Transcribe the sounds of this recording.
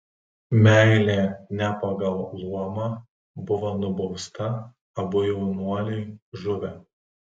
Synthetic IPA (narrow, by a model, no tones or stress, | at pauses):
mʲæˑɪlʲeːnʲɛpɐɡɐlˠlˠuɔmɑː | bʊʋonʊbɒʊst̪ɐ | ɐbʊjɛʊnuɔlʲɛɪʒʊʋʲɛ